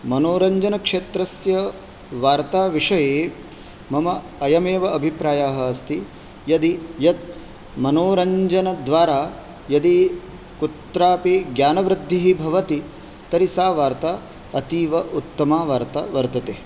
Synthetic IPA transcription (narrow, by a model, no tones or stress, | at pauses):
mɐnoːɾɐɲd͡ʒɐnɐkʂeːt̪ɾɐsjɐ | ʋaːɾt̪aːʋiʂɐjeː | mɐmɐ | ɐjɐmeːʋɐɐbʱipɾaːjaːɦɐɐst̪i | jɐd̪ijɐt̪̚ | mɐnoːɾɐɲd͡ʒɐnɐd̪ʋaːɾaː | jɐd̪i | kut̪ɾaːpiɡjaːnɐʋɾɪd̪ʱːiɦibʱɐʋɐt̪i | t̪ɐɾisaːʋaːɾt̪a | ɐt̪iːʋɐʔut̪ːɐmaːʋaːɾt̪ɐʋɐɾt̪ɐt̪eː